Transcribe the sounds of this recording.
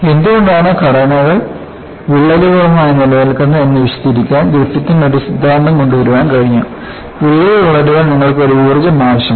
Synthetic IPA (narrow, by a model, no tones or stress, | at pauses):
e̞nd̪uɣo̞ɳɖaːɳɨkɐɽɐnɐɣɐɭ | ʋiɭːɐluɣɐɭɐmaːjɐnilɐjɐlkɐnːɐenːɐʋiɕɐd̪iɾikʲːaːnɡ̪ɾut̪ːjɐt̪ːinnɐɽisud̪ʱːaːnɖɐŋko̞ɳɖuʋɐɾuʋaːnkɐɻiɲːa̰ː | ʋeɭjɐʋɐɭɐɾuɣɐɭniŋːɐɭkɨo̞ɾuuːrɐd͡ʑɐmaːʋɐɕɐm